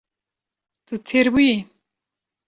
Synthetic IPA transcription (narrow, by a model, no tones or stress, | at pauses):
t̪ɨt̪ʰeɾbuji